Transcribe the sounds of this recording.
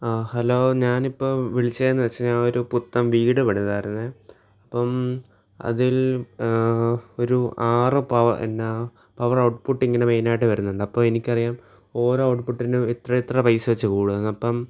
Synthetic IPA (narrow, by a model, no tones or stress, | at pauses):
hɐlo̞ːɲaːnipːo̞ːʋiɭit͡ɕːɐjenːɨʋɐt͡ɕːɐɲaːno̞ɾuput̪ːɐmʋiːɽɨpeɽuðaːjiɾunːɨ | ɐpːɐm | ɐ̰ðil | oɾuaːrɨpɐʋɐḛnːɐ | pɐʋɐrɐwʈ̚puʈːiŋːɐneme̞jnaːjʈ̬ːɨʋɐɾunːuɳɖɨɐpːoːmenikʲːɐrijaːm | o̞ːɾoːɐwʈpuʈːinɨit̪rɐit̪rɐpɐjsɨʋɐt͡ɕːɨkuːɽɨðenːɐpːɐm